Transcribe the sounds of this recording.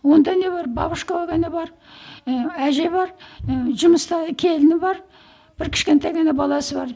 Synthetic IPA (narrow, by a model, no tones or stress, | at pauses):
wo̞nd̪ɑne̞βɑɾbɑ̰bəʃkɑoɡɑnebɑɾ | æʒe̞βɑɾʒʊməst̪ɑkʲʰe̞lɪnɪbɑɾ | b̥ɪɾkʲʰɪ̥ʃkʲe̞nt̪ɑjɡɑnɑbɑlˠɑsəbɑɾ